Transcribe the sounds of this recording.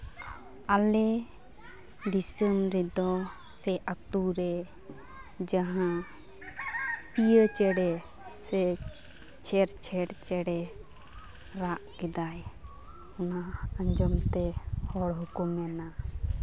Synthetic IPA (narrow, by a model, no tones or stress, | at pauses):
alɛ | ɖisəmɾɛd̪ɔ | sɛʔat̪uɾɛ | d͡ʒaɦã | pijət͡ʃɛɽɛ | sɛ | t͡ʃʰɛɾt͡ʃʰɛɽt͡ʃɛɽɛ | ɾaʔkɛd̪aj | ɔnaəɲd͡ʒɔmt̪ɛhɔɽɦukumɛna